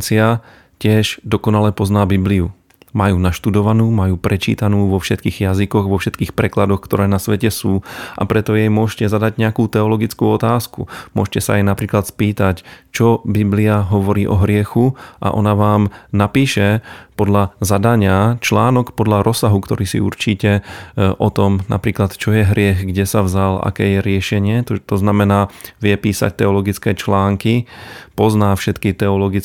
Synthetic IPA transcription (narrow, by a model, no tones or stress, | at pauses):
t͡sia | cɪɛʒd̪ɔkɔnalɛpɔznaːbibliu | majuːnaʃt̪ud̪ɔʋanuːmajuːpɾɛt͡ʃḭːt̪anuːʋɔfʃɛt̪kiːɣjazikɔɣʋɔfʃɛt̪kiːxpɾɛklad̪ɔxkt̪ɔɾɛːnasʋɛcɛsuːʔa̰pɾɛt̪ɔjɛjmʊɔʃcɛzad̪aɟɲɛakuːt̪ɛɔlɔɡit͡skuːɔt̪aːskṵmʊɔʃcɛsaajnapɾiːklat̪spiːt̪act͡ʃɔbibliaɦɔʋɔɾiːʔɔɦɾɪɛxuʔa̰ʔɔ̰naʋaːmnapiːʃɛpɔd̪ʎazad̪aɲɪat͡ʃlaːnɔkpɔd̪ʎaɾʔɔsaɦukt̪ɔɾiːsḭṵɾt͡ʃiːcɛʔɔt̪ɔmna̰pɾiːklat̪t͡ʃɔjɛɦɾɪɛɣɡɟɛsavzala̰kɛːjɛɾɪɛʃɛɲɪɛt̪ɔt̪ɔznamɛnaːʋɪɛpiːsa̰c̚t̪ɛɔlɔɡit͡skɛːt͡ʃlaːŋkipɔznaːfʃɛt̪kit̪ɛɔlɔɡi